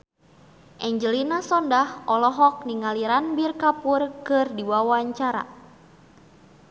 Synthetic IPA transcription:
ʔɛɲd͡ʒəlinasɔndahʔɔlɔɦɔk̚niŋaliɾanbirkapurkɨrdiwawaɲt͡ʃaɾa̰

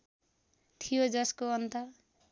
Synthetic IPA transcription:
t̪ʰijod͡zʌskoʌnt̪ʌ

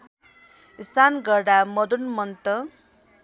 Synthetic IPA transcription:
isanɡʌɾɽamʌd̪unmʌnt̪ʌ

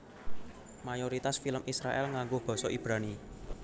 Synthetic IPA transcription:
majoɾit̪asfiləmʔisɾaʔɛlŋaŋɡob̥ɔ̤sɔʔib̥ɾani

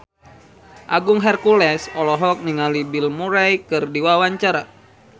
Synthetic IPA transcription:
ʔaɡuŋɦɛrkulɛsɔlɔɦɔk̚niŋalibilmuɾajkɨrdiwawaɲt͡ʃaɾa

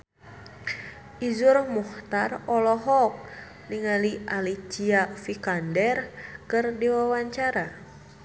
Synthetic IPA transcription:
ʔizurmuht̪arɔlɔɦɔk̚ | niŋaliʔalit͡ʃiafikandɛrkɨrdiwawaɲt͡ʃaɾa

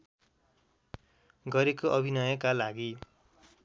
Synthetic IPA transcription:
ɡʌɾekoʔʌbʱinʌjʌkalaɡi

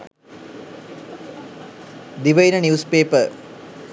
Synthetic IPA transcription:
d̪iʋɐjnɐnjuːspeːpə

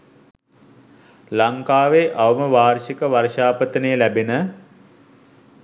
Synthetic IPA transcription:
laŋkaːʋeʔaʋəməʋaːrʃikəʋarʃaːpət̪ənəjəlæbenə

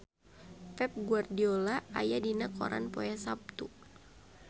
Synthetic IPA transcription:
pɛp̚ɡuardiolaajadinakɔ̰ɾʔa̰npɔjasap̚t̪u

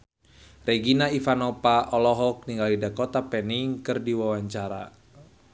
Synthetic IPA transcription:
rɛɡinaifanɔpaʔɔlɔɦɔk̚niŋɡalidakɔt̪apɛniŋkɨrdiwawaɲt͡ʃaɾa̰

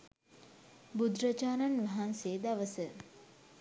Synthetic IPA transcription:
bud̪ɾət͡ʃaːnanʋaɦanseːd̪aʋəsə

